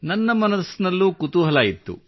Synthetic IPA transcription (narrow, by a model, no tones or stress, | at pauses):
nɐnːɐmɐnɐsnɐlːukut̪uɦɐlaːjit̪ːṵ